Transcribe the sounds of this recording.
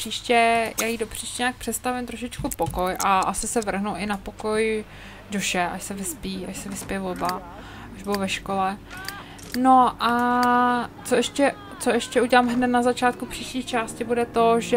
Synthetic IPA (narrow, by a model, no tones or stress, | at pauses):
r̥iːʃcɛjaːjidopr̥iːʃcɛɲaːk̚pr̥ɛt̪st̪avɪmt̪ɾoʃɪt͡ʃkupoko̞jʔaʔasɪsɛvr̩ɦnowʔɪnapo̞koj | doʃɛʔa̰ʃsɛvɪspiːʔa̰ʃsɛvɪspɪjɛvoba | ʔaʒbʊowvɛʃko̞lɛ | noʔa | t͡soʔɛʃcɛ | t͡soɛʃcɛuɟɛlaːmɦnɛt̪nazat͡ʃaːt̪̚kupr̝̥iːʃciːxt͡ʃaːscɪbudɛt̪oʒɛ